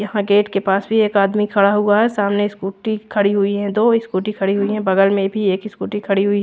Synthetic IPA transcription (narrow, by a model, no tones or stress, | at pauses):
jɐɦãɡeːʈkepaːsbʱieːkaːd̪mikʰɐɽaɦʊaɦɛsaːmneɪskuːʈikʰɐɽiɦʊiɦɛ̃d̪oːɪskuːʈikʰɐɽiɦʊiɦɛ̃bɐɡəlmẽbʱieːkɪskuːʈĩkʰɐɽiɦʊi